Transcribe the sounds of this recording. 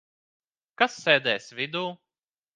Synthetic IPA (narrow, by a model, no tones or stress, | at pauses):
kasːɛːd̪ɛːsvʲid̪uː